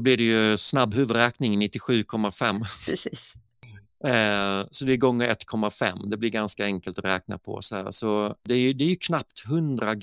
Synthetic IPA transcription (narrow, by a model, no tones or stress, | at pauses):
blɪɖɛjɵsnabːɦʉ̟ːvəɾɾɛːknɪŋnɪt̪ːɪɧʉ̟ːkʰɔmːafɛmːɾɛsiːs | sɔd̪ɛːɡɔŋːəɾɛt̪ːkʰɔmːafɛ̰mːd̪ɛblɪɾɡanskaɛŋkəlt̪ɔɾɛːkna̰pʰɔ̰sɔhæ̰ːɾsɔd̪ɛæɾjɵd̪ɛæɾjɵkʰnap̚t̪ɦɵnd̪ɾaɡ